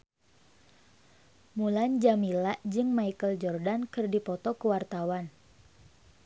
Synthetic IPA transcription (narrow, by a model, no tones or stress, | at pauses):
muland͡ʒamilaʔd͡ʒɨŋmaikəld͡ʒɔrdankɨrdipɔt̪ɔkəwart̪awan